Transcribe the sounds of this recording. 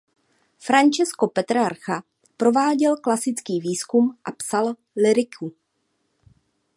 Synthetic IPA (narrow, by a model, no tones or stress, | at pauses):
fɾant͡ʃɛsko̞pɛt̪ɾaɾxa | pɾo̞vaːɟɛlklasɪt͡skiːviːskumʔapsal | lɪɾɪkʰu